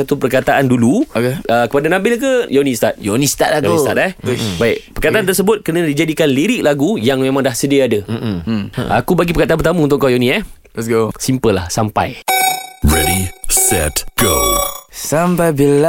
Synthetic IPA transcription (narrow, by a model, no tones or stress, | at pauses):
at̪upərkat̪aʔanduluokeəkəpadanãbɪlk̬əjonĩst̪at̪̚jonĩst̪a̰tlaɡnist̪a̰t̪̚ɛhbaɪkpərkat̪aʔant̪ərs̬əbʊt̪̚kənadid͡ʒadikanliɾɪk̚laɡujaŋmẽmãŋdahsədiaada | a̰kubaɡipərkat̪anpət̪aməunt̪ʊʔkːajonĩɛh | lɛsɡosimpəla̰hsampa̰j | ɹɛɾisɛ̰tɡ̥osampajbila